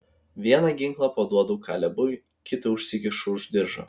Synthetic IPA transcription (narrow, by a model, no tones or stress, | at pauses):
ʋʲiɛnɑɡʲɪŋklˠɑpoːd̪uɔd̪ʊːkʰɑ̰ːlʲɛbʊʋʲ | kʲɪt̪ɐʊʃʲsʲɪkʲɪʃʊʊʒʲd̪ʲɪɾʒɐ̰